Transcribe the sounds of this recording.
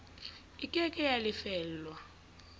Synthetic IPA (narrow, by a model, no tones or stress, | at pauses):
ikʼɛkʼɛjalɪfɛːllwa